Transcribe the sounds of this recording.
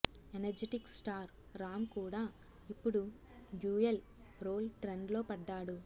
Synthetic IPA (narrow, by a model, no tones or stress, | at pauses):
enɐɾd͡ʒeʈiksʈaːɾ | ɾaːmkuːɽaː | ipːuɽu | ɡjuːel | ɾo̞ːlʈɾeɳɖlo̞ːpɐɖːaːɽu